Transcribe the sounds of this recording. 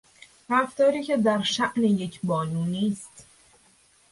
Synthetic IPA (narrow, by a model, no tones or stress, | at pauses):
ɾæft̪ɒːɾiːcʰe̞d̪æɾʃæʔneje̞cʰbɒːnuːniːst̪